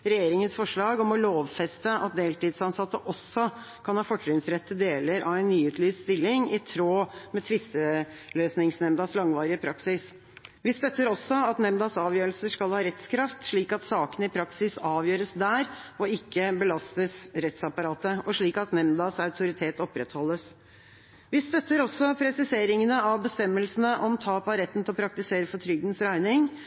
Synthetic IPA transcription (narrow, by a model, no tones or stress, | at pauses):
ɾɛjeːɾɪŋənsfɔʂɭɑːɡɔmɔloːʋfɛst̪əʔɑ̰t̪̚d̪eːlt̪iːd̪sɑnsɑt̪ːəʔɔsːɔ | kʰɑnhɑːfɔʈɾʏnsɾɛt̪ːəd̪eːləɾʔɑʋɛɪnnːyːʉːt̪ʰlyːsst̪ɪlːɪŋɪt̪ʰɾoːmɛt̪ʰʋɪst̪ə | løːsnɪŋsnɛmd̪ɑslɑŋʋɑːɾɪəpʰɾɑksɪs | ʋɪst̪œt̪ːəɾɔsːɔɑt̪nɛmd̪ɑsɑːʋjøːɾəlsəʂkɑlhɑːɾɛt̪skʰɾɑft̪ʂɭiːkɑt̪sɑːkənəɪpʰɾɑksɪsɑːʋjøːɾəsd̪æːɾɔɪkːəbəlɑst̪əsɾɛt̪sɑpɑɾɑːt̪əɔʂɭiːkɑt̪nɛmd̪ɑsɑʉt̪ʰʊɾɪt̪ʰeːt̪ɔpɾɛt̪hɔlːəs | ʋɪst̪œt̪ːəɾɔsːɔpʰɾɛsɪseːɾɪŋənəɑʋbəst̪ɛmːəlsn̩əʔɔmt̪ʰɑːpɑɾɛt̪ːn̩t̪ʰɪlɔpʰɾɑkt̪ɪseːɾəfɔʈ̪tʰɾʏɡd̪nsɾæɪnɪŋ